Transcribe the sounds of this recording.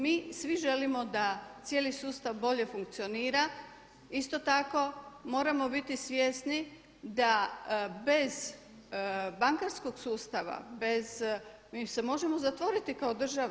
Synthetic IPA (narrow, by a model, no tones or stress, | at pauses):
miːsʋiʒe̞limo̞d̪at̪sje̞ːlisuːst̪aʋbo̞ʎe̞fuŋk̚t̪sio̞niːɾa | ist̪o̞t̪ako̞mo̞ːɾamo̞bit̪isʋje̞sni | d̪abe̞z | baŋkaɾsko̞ɡsuːst̪aʋa̰bez̥ | mise̞mo̞ʒe̞mo̞zat̪ʋo̞ɾit̪ikaod̪r̩ʒa